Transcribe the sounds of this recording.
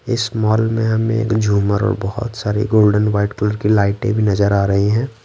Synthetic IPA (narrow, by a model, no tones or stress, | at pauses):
ɪsmɔːlmẽɦɐmḛ̃ḛːkd͡ʒʱuːməɾɔ̰ːɾbɔɦʊ̰t̪saːɾḭɡoːlɖənwaːɪʈkʊləɾkilaːɪʈḛ̃bʱinɐzəɾaːɾɐɦiɦɛ̃ː